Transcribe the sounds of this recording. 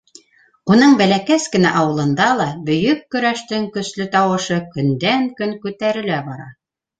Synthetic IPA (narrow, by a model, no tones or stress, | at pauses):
unɤɴbælækæskɘ̆næ̰ʔɑwɤ̆lˠɤ̆nd̪ɑlˠɑbɵ̆jɵkːɵ̆ɾæʃt̪ɘŋkɵ̆slɵt̪ɑwɤ̆ʃɤkɵ̆nd̪æŋkɵŋkʉt̪æɾɘ̆læbɑɾɑ